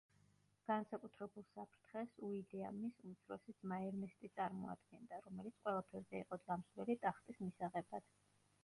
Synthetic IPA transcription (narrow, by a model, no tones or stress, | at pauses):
ɡ̥ansakʼut̪ʰɾɛbulˠsapʰɾt̪ʰχɛsuid̪ɛa̰misut̪sʰɾɔsit̪sʰmaɛɾnɛst̪ʼit̪sʼaɾmɔa̰d̪ɡɛnd̪aɾɔmɛlit̪sʰqʼwɛlˠapʰɛɾzɛiqʼɔd̪zamslɛlit̪ʼaχt̪ʼismisaʁɛbad̪̥